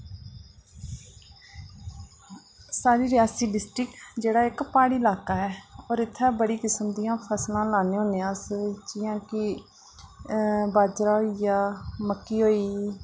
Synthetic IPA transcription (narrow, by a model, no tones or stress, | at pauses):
saːɾiːɾɪjaːsiːɖɪsʈɾɪkd͡ʒeːɽaːɪkpaːɽiːɪlaːkaːɛːoːɾɪt̪ʰːɛːbəɽiːkɪsəmd̪ijãːpʰəslãːlaːnẽːɦõːneːãːsd͡ʒɪjãːkɪ | baːd͡ʒɾaːɦoijaːməkːiːɦoːiː